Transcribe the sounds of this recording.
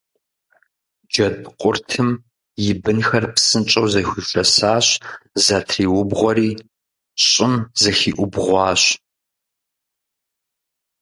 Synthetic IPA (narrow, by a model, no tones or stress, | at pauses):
d͡ʒɐdqʷʼʊrtʰɨm | jɪbɨnxɐrpsɨnt͡ʃʼɐwzɐxʷiːfʼɐsaːɕzatʰriːwʊbʁʷɔɾiː | ɕʼɪmzɐxiːʔʷʊbʁʷɑːɕ